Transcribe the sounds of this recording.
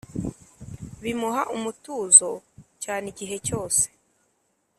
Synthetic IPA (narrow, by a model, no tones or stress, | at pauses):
βimuɦaʔumutuːzo̞caːniɟiɦe̞co̞ːse̥